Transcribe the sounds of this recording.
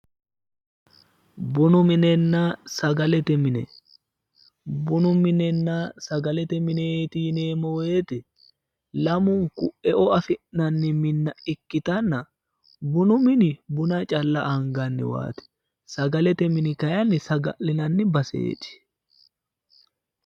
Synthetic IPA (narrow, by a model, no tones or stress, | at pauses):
bʊnʊmɪnɛnːɐsɐɡɐlɛt̪ɛmɪnɛ̰ | bʊnʊmɪnɛnːɐsɐɡɐlɛt̪ɛmɪnet̪iːneːmɔweːt̪ɪ | lɐmʊŋkʊʔɛʔɔɐfɪʔnɐnːɪmɪnːɐɪkːɪt̪ɐnːɐ | bʊnʊmɪnɪbʊnɐt͡ʃʼɐlːɐʔɐŋɡɐnːɪ̰wa̰ːt̪ɛ̥ | sɐɡɐlɛt̪ɛmɪnɪkɐjɐnːɪsɐɡɐlɪnɐnːɪbɐsḛːt͡ʃːɪ̥